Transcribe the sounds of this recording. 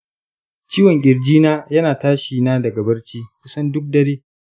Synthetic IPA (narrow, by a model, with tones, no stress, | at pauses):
t͡ʃiː˦wɔ˨ŋɡʲʼɪ˨rd͡ʒiː˦naː˦jɐ˦naː˨taː˦ʃiː˨naː˦dɐ˨ɡɐ˨bɐ˦rt͡ʃiː˦kʷʊ˦sɐ˦ndʊ˦k̚dɐ˦ɽeː˦